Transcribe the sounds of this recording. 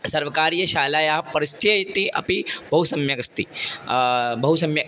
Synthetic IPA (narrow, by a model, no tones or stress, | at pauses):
sɐɾʋɐkaɾijɐɕaːlaːjaɦɐpɐɾist̪ʰijɐjt̪iʔɐ̰pibʱɐɦusɐmjɐɡɐst̪i | bɐɦusɐmjɐ